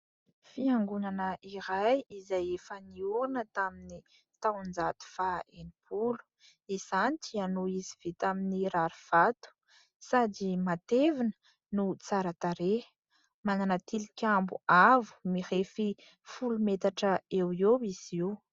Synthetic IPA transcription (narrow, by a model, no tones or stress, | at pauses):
fiaŋɡunanəʔiɾajizajefəniunət̪amini | t̪awnd͡zat̪u̥faenipʰulu̥ | izanit̪ianoiziv̥et̪aminiɾaɾiv̥at̪u̥ | sadimat̪evinə̥ | nut͡saɾət̪aɾe | mananat̪ilikʲambuavu̥miɾefi | fulumet̪aʈ͡ʂəewewiz̥iw